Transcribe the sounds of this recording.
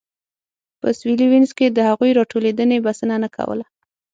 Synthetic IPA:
pə̰swiliwinzked̪əhaɣujɾɑʈoled̪ənebasənanakʰa̰wə̰la

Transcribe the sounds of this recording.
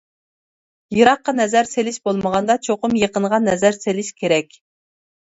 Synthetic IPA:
jɨɾɑqːɑnɛzæɾselɪʃbolˠməʁɑnd̪ɑt͡ʃʰoqʊmjeqəɴʁɑnːɛzæɾselɪʃkʲʰeɾɛkʲ

